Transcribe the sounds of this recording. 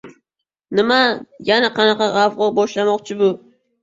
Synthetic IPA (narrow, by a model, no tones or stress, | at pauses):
nɪmajanaqʰɑnɑqɑʁɑvʁobɒʃlamɒqt͡ʃʰɪbʊ